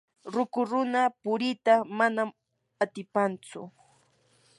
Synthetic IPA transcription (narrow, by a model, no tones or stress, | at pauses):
ɾʊkʊɾʊnapʊɾɪt̪amanam | at̪ɪpant͡sʊ̰